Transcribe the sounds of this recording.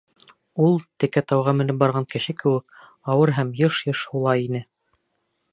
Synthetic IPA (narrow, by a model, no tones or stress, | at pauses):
ulˠt̪ɘ̆kæt̪ɑwʁɑmɘ̆nɘp̚bɑɾʁɑŋkɘ̆ʃɘkɘ̆wɘk̚ | ɑwɤɾɦæmjɤʃjɤʃhulˠɑjinɘ